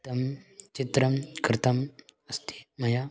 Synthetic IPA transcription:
t̪ɐmt͡ɕit̪ɾɐmkɾɪt̪ɐməst̪i̥mɐja

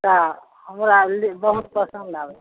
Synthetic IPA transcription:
t̪a | ɦəmɾalibəɦut̪̚pəsə̃nd̪ʱabe

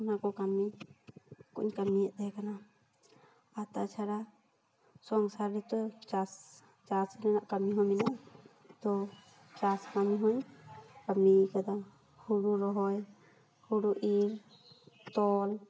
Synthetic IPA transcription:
nakɔkami | kɔ̰ʔɲkamijɛʔ̚d̪ɛɛkana | at̪at͡ʃʰaɾa | sɔŋsaɾɾɛt̪ɔt͡ʃas | t͡ʃasnanaʔkamiɦɔminaʔ | t̪ɔ | t͡ʃaskamiɦɔɲkamikad̪a | huɽuɾɔɦɔj | huɽuʔiɾ | t̪ɔl

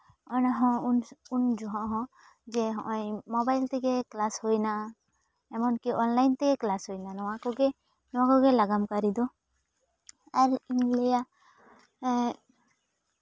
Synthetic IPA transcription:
ɔnaɦɔ̃unund͡ʒɔɦãʔɦɔ̃ | d͡ʒɛɦɔ̃ʔɔ̃jmɔbajlt̪ʰɛkeklashojna | ɛmɔnkiɔnlajnt̪ʰɛkɛklasɦojnanɔwakɔɡɛ | nɔwakɔɡɛlaɡamkaɾid̪ɔ | aɾiŋlɛja

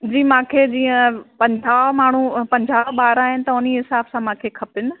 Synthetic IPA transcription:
d͡ʑiːmãːkʰed͡ʑĩːə̃pɐ̃ɲd͡ʑaːʋmaːɳ̤upɐ̃ɲd͡ʑaːʋɓaːɾaːɦɪnɪ̆t̪ɐʊniɦɪsaːbsãmãːkʰekʰɐpɪnɪ̆

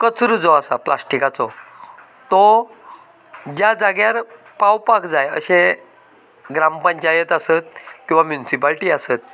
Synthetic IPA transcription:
kət͡sɾud͡zɔasa̰pla̰sʈikat͡sɔ | t̪ɔ | d͡ʑjad͡zaɡjaɾ | pawpakd͡zajə̰ɕẽ | ɡɾampəɲt͡ɕajət̪asət̪̚kĩw̃ʋamjunsipalʈiːasət̪̚

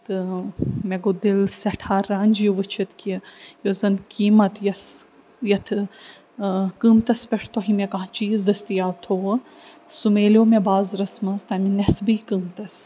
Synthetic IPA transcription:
t̪ɨmeɡod̪ilsɐʈʰaːɾaːnʲd͡ʒjuʋɨt͡ʃʰit̪kijozɐnkiːmɐt̪jɐs | jɐt̪ʰ | kɨːmt̪ɐspʲeʈʰt̪oɦimekãɦt͡ʃiːzd̪ɐst̪ijaːt̪ʰoʋ | sumeːlʲoːmebaːzɾɐsmɐnzt̪ɐminesbɨːkɨːmt̪ɐs

